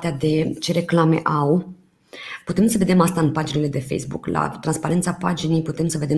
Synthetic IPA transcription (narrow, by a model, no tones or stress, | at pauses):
t̪ead̪e̞t͡ʃe̞ɾe̞klame̞̰ʔaw | put̪e̞msəve̞d̪e̞mast̪aɨnpad͡ʒinele̞d̪e̞fejsbṵkla̰t̪ɾanspaɾe̞nt̪sapa̰d͡ʒine̞jput̪e̞msəve̞d̪e